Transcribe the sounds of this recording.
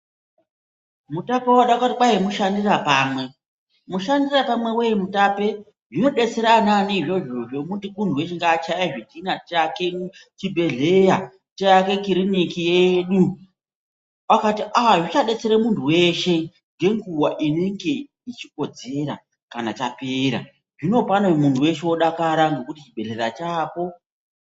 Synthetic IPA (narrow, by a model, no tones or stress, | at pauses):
mutapawaɗakatiɓaɦemuʃandirapaːmwe̞ | muʃandirapamwe̞wejemutape̞ | ʐino̞ɗe̞t͡seɾananiiʐo̞ʐo̞omutimuntuwe̞ʃeŋɡat͡ʃajaʐidinataket͡ʃibʱe̞ɮe̞ja | t͡ʃajake̞kiɾinikijeɗu | wakatiʔaʐit͡ʃaɗe̞t͡se̞ɾemuntʰuwe̞ʃe̞ | ŋɡe̞ŋɡuwaʔineŋɡe̞ | it͡ʃiko̞d͡ze̞ɾa̰ | kanatape̞ːɾa̰ | ʐino̞panomuntʰuwe̞ʃeoɗakaɾaŋɡe̞kutit͡ʃibʱe̞ɮe̞ɾat͡ʃaːpo̞